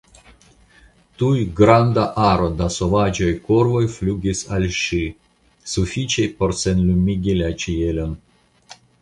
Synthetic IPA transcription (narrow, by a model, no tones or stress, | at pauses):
t̪ujɡɾand̪aʔaɾod̪asovad͡ʒojkoɾvojflʲuɡʲisalʲʃɨ | sufʲit͡ʃejpoɾsɛnlʲumʲiɡʲilʲat͡ʃijelʲon